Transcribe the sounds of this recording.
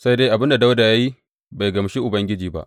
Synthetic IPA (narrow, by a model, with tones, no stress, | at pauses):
sa˦jde˦ʔa˨bɪ˦nda˨da˦wda˨ja˦ji˦ | ba˨jɡɐ˨mʃi˦ʔʊ˨bɐ˦ŋɡʲɪ˦d͡ʒiː˨ba̰˦ʔ